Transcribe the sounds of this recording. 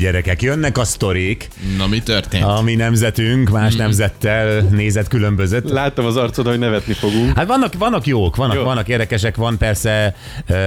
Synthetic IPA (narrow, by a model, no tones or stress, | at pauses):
ɟɛɾɛkɛkjønːɛkɒst̪o̞ɾik | nomit̪ørt̪eːɒminɛmzɛt̪yŋkmaːʃnɛmzɛt̪ːɛlneːzɛt̪kylø̞mbøzøt̪laːt̪ːɔmɒzɒrt̪sot̪hoɟnɛvɛt̪nifo̞ɡuŋkhat̪ʋɒnːɒkʋɒnːɒkjoːkʋɒnːɒkʋɒnːɒkeːrd̪ɛkɛʃɛkʋɒnpɛrsɛ